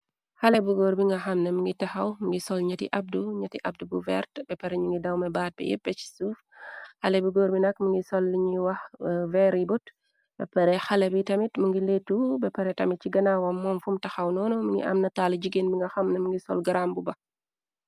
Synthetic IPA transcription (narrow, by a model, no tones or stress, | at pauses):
xɐlɛbuɡoːɾbiŋɡɐxɐmnɛməŋɡitɐxɐwməŋɡisɔlɲɐtḭʔɐb̚duɲɐtiʔɐb̚dubuvɛ̰rtb̥ɛpɛɾɛɲuŋɡidɐwmɛbaːt̚bɛ̰jɛ̰bɛt͡ʃi̥suːfhɐlɛbuɡoːɾbinɐkməŋɡisɔlːiɲiwɐxvɛɾibut | b̥ɛ̰pɐɾɛxɐlɛbitɐmitməŋɡiletːubɛpɛɾɛtɐmit̚t͡ʃiɡɐnawɐmːɔnfumtɐxɐwnɔːnɔməŋɡḭʔɐ̰mnɐtaːlɟiɡenbiŋɡɐxɐmnɐməŋɡisɔ̰lɡɐɾambubɐ